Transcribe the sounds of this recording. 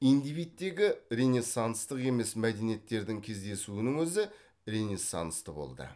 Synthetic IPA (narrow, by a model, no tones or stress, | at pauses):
ijnd̪ijvijt̪̚t̪ːe̞ɡʲɪɾʲenʲesːɑnst̪əqe̞me̞smæd̪e̞nijet̪ːe̞ɾd̪ɪŋkʲʰe̞zd̪e̞suɪnɪŋwɵzɪ | ɾe̞nʲesːɑ̰nst̪əbo̞̰lˠd̪ə̰